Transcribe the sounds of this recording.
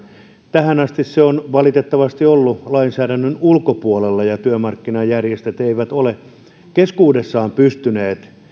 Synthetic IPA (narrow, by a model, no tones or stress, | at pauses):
t̪æhænɑst̪isseonʋɑlit̪et̪ːɑʋɑst̪iolːulɑinsæːdænːønulkopuolelːɑjɑt̪yømɑrkːinɑjærjest̪et̪eiʋæt̪ole | keskuːdesːɑːmpyst̪yneːt̪